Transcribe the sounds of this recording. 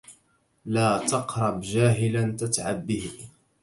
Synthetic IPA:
laːt̪ɑqɾˤɑbd͡ʒaːɦɪlant̪at̪ʕabːɪh

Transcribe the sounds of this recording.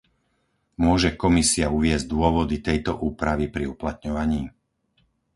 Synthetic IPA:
mʊɔʒɛkɔmisiauʋɪɛzɟd̪ʊɔʋɔd̪it̪ɛjt̪ɔʔuːpɾaʋipɾiuplat̪ɲɔʋaɲiː

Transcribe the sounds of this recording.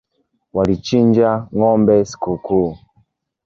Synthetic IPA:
walit͡ʃind͡ʒaŋɔmbɛsi̥kukuː

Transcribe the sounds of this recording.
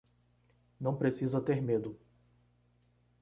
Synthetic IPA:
nɐ̃w̃pɾesizɐt̪eɾmed̪ʊ

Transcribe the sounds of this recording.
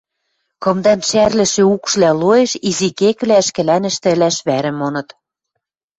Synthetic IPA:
kɤ̆md̪ɑnʃærlɘ̆ʃĕukʃlæloeʃizikekβlæə̆ʃkɘ̆lænɘ̆ʃt̪ɘ̆læʃβæɾɘ̆monɤ̆t̪

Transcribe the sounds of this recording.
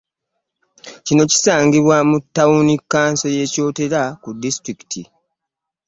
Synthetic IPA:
cino̞ci̥saːŋɡiβwamutːawunikːaːnso̞je̞ːco̞ːte̞ɾakudːistɾiki̥tʰi

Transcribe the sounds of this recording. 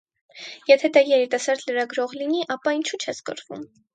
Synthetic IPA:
jɛt̪ʰɛd̪ɑjɛɾit̪ɑsɑɾd̪ləɾɑɡɾɔʁliniʔɑpɑint͡ʃʰut͡ʃʰɛsɡə̰ɾvṵm

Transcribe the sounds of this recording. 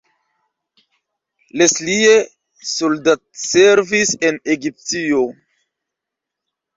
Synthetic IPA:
leslie | soldat̚seɾvise̞neɡip̚tio

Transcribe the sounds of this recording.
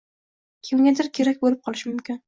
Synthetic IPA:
kʲʰemŋʲɡʲad̪ɪɾkʲʰe̞ɾak̚ʲbolɪp̚qʰɒlˠɪʃɪmʊmkʲɪn

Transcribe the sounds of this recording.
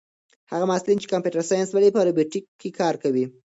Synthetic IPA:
haɣamɑslint͡ʃe̥kampjuʈaɾsɑjansbalepəɾobjoʈikʰːekʰɑɾkawi

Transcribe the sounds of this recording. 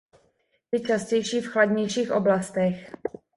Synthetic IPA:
jɪt͡ʃascɛjʃiːfxladɲɛjʃiːxʔo̞blast̪ɛx

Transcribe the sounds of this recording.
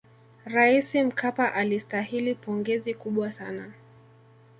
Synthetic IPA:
ɾaisim̩kʰapaʔalistahilipɔŋɡɛzikuɓwasana

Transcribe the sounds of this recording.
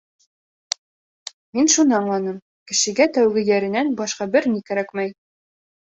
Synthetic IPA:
minʃunɑɴlˠɑnɤm | kɘ̆ʃɘ̆ɡæt̪æwɡɘ̆jæɾɘ̆nænbɒʃqɑbɘɾnikæɾækmæj

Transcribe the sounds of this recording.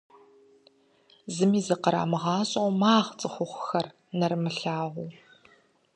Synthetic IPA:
zɨmiːzɐqəɾa̰ːmɨʁɑːɕʼowmaːʁt͡sʼɨχʷʊχʷxɐr | nɐrmɨɬaːʁʷʊː

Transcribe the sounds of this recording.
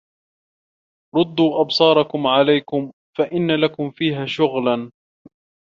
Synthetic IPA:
ɾˤʊd̪ːuːʔɑbsˤɑːɾˤɑkʊmʕalajkʊm | faʔɪnːalakʊmfiːɦaːʃʊɣlan

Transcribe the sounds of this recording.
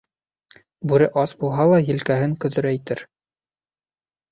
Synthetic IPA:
bʉɾɘʔɑsbulˠɦɑlˠɑjɘ̆lkæɦɘŋkɵ̆ðɵ̆ɾæit̪ɘɾ

